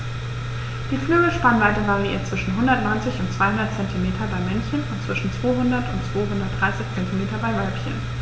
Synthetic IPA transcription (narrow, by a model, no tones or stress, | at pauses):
d̥iːflyːɡəʃpanvaɪtəvaʁiʔḭːɐt̚t͡sv̥ɪʃn̩ɦʊndɐtnɔʏnt͡sɪçʊntt͡sv̥aɪɦʊndɐt̚t͡sɛntʰimeːtʰɐbaɪmɛnçənʊntt͡sv̥ɪʃn̩t͡sv̥oːɦʊndɐtʊntt͡sv̥oːɦʊndɐt̚d̥ʁaɪsɪçt͡sɛntimeːtɐbaɪvalpçən